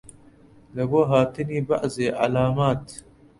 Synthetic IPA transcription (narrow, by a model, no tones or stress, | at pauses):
lɐɡoːɦaːt̪ɪniːba̰ʔzeːʔa̰laːmaːt̪